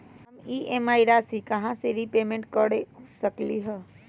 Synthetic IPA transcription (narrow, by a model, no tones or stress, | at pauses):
ɦəmiʔemaːiɾasikɐɦãseɾipeːmẽɳʈ̚kəɽesəkliɦɛ